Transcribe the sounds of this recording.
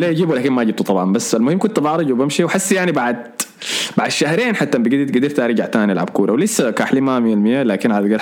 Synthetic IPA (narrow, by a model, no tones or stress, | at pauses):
lajad͡ʒiːbuwlaːkɪnmajd͡ʒɪb̚t̪ut̪ˤɑbʕɑmbasːalmʊhɪmːkʊnt̪bɑʕɾˤɑd͡ʒwɪbamʃiwħasːjaʕnibaʕd̪ | b̥aʕd̪ʃahɾeːnħat̪ːambɪɡɪd̪ɪt̪ɡad̪ɪɾft̪aɾɪd͡ʒaʕt̪aːnilʕa̰bkuːɾʔawlɪsːakaħliːmamilmɪjalaːkɪnʕalɡɪɾ